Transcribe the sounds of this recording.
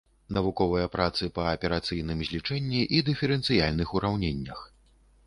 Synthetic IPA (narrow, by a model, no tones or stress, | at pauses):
nɐvukɔvɨjɐpɾat̪sɨpɐːpʲɛɾat̪sɨjn̪ɨmzʲlʲit͡ʂɛnʲːiʔid̪ɨfʲɛɾɛnt̪sɨjalʲnɨxuɾawnʲenʲːɐx